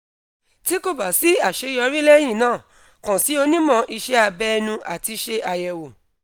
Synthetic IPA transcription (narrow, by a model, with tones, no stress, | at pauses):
ti˦ko˦˨ba˨si˨˦a˦˨ʃe˨˦jɔ˧ɾi˦lɛ˦j̃ĩ˦˨nãː˦˨ | kã˨si˨˦o˧nĩ˦mɔ̃˧ʔi˧ʃɛ˦a˧bɛ˦˧nũ˧ʔa˨ti˧ʃe˧ʔa˧jɛ˨wo˨